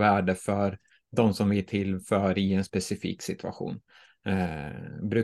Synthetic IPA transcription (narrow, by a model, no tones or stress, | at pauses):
væːɖəfœɾ | d̪ɔmsɔmvɪʈ̪ʰɪlfœːɾɪɛnspɛsɪfḭːksɪt̪ʰɵa̰ɧṵːn | bɾʉ̟ː